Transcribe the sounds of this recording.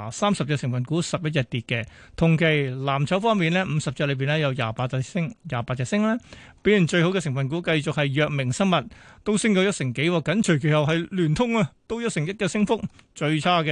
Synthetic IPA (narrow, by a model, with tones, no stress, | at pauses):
saː˥msɐ˨p̚jɛ˧sɪ˨˩ŋfɐ˨nkuː˨˥sɐ˨p̚jɐ˥t̚jɐ˨˧t̚t̪iː˨t̚kɛ˧t̪ʰʊ˨˩ŋkʰe˨˩jlaː˨˩mt͡sʰɐ˨˥wfɔː˥ŋmiː˨nlɛː˥m̩˨˧sɐ˨p̚t͡sɛː˧˥lɵ˧ɥpiː˨nlɛː˥jɐ˨˧wjaː˨˩paː˧ɪ˥ŋjaː˨paː˧t̚t͡sɛ˨˧sɪ˥ŋlɛː˥pe˨˥jy˨˩nt͡ʃɵ˧ɥho˧˥wkɛː˧s̬ɪ˨˩ŋfɐ˨nk̬uː˨˥kɐ˧jt͡sʊ˨k̚hɐ˨jːœː˨˧k̚mɪ˨˩ŋsɐ˥ŋmɐ˨˩t̚t̪o˥wsɪ˥ŋkɔː˨˥jɐ˥sɪ˨˩ŋke˨˥jwɔː˨˩kːɐ˨˥nt͡ʃʰɵ˨˩ɥkʰe˨˩hɐ˨wɦɐ˨jlyː˨˩nt̪ʰʊ˥ŋɐ˧t̪o˥wjɐ˥t̚sɪ˨˩ŋjɐ˥t̚kɛː˧sɪ˥ŋfʊ˥k̚t͡ʃɵ˧ɥt͡sʰaː˥kɛ˧